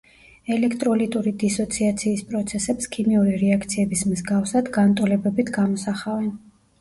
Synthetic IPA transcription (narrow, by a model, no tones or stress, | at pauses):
ɛlɛkʰt̪ʼɾɔlit̪ʼuɾid̪isɔt̪sʰiat̪sʰiːspʼɾɔt̪sʰɛsɛpskʰimiuɾiɾɛakʰt̪sʰiɛbismzɡafsad̪ɡant̪ʼɔlɛbɛbit̪ʰɡamɔsaχavɛn